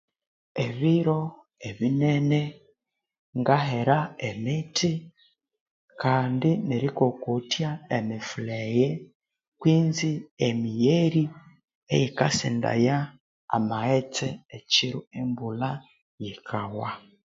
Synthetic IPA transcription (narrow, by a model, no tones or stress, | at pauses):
eβiɾo̞ | eβinene | ŋɡaɦeɾaemitʰi | kaːndineɾikokutjaemifuleje | kwiːnziemijeɾi | ejikasḭnda̰ja | a̰maet͡seːciɾuembula | jikʰawa